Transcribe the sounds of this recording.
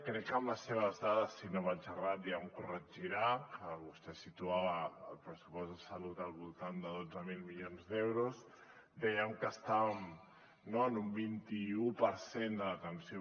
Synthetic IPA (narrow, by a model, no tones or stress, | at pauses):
kɾɛkːəmləsːeβ̞əzðaðəsːinoβaʒərat̪̚d̪iaŋkurəd͡ʒiɾakəβust̪ɛsit̪uaβəːlˠpɾəsu̥pɔzðəsəlut̪əlˠβulˠt̪and̪əðod͡zəmilˠmiʎonzðɛwɾus | d̪ɛjəmkəst̪aβəm | noənumbint̪iupəɾsend̪ələt̪ənsio